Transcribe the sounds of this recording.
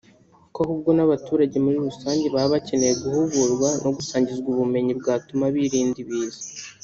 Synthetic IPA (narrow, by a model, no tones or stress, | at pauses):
kohub̚ɡo̞naβatuːɾaɟe̞muɾiɾusaːɲɟe̞βaβace̞nejeɡuhuβuɾɡwano̞ɡusaːɲɟizɡuβume̞ɲibɡaːtumaβiɾiːndiβiːzḁ